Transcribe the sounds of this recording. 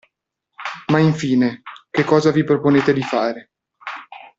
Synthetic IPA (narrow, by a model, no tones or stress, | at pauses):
maiɱfiːnek̟ekːɔːzavipɾoponeːt̪ed̪ifaːɾe